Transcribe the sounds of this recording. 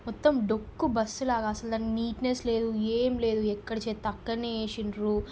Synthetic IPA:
mɔt̪ːɐmɖokːubɐsːulaːɡaːɐsɐld̪aːniniːʈnesle̞ːd̪ueːmle̞ːd̪uɛkːɐɽɐt͡ʃeːt̪ɐkːɐneːʃinɾu

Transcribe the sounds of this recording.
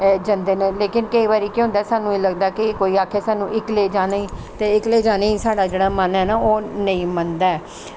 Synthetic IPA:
ɛːd͡ʒənd̪eːnẽːleːkɪnkəiːbaːɾiːkːɦʊ̃nd̪aːsaːnũːeːləɡd̪aːkɪkoːiːaːkʰeːsaːnũːʔɪkleːd͡ʒaːnaːiːt̪eːɪkleːd͡ʒaːnaːisaːɽaːd͡ʒeːɽaːmənɛːnaːoːnə̃ĩːmənd̪aːɛː

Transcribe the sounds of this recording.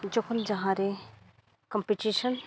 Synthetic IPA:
d͡ʒokʰond͡ʒɐɦãɾe | kɐmpiʈiʃən

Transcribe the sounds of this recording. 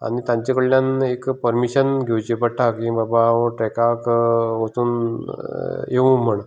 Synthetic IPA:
a̰ñit̪ãɲt͡ɕekəɭjanekpəɾmiɕənɡʱewt͡ɕepəʈʰːakĩbabaəʈɾɛkakʋot͡s̪uːn | jeʋũm̤əɳ

